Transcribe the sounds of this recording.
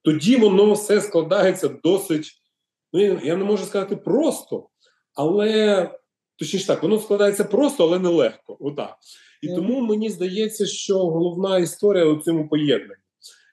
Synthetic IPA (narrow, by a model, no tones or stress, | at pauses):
t̪ɔdʲiʋɔnɔfsɛsklˠɐd̪ɑjet͡sʲːɐd̪ɔsɪtʲ | nujanɛmɔʒʊskɐzɑt̪ɪpɾɔst̪ɔ | ɐlˠɛ | t̪ɔt͡ʃnʲiʃt̪ɑkʋɔnɔsklˠɐd̪ɑajet͡sʲːɐpɾɔst̪ɔɐlˠɛnɛlˠɛxkɔɔd̪ɑ̰k | it̪ɔmumenʲizd̪ɐjɛt͡sʲːɐʃt͡ʃɔɦɔlˠɔwnɑist̪ɔɾʲijɐut͡sʲɔmʊpɔjɛd̪̚nɐnʲːi